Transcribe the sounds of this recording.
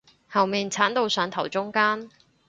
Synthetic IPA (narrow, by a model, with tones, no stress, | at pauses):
hɐ˨˩wmiː˨ŋt͡sʰaː˨˥nt̪o˧wsœː˨˧˥ŋt̪ʰɐ˨˩wt͡sʊ˥ŋkaː˥n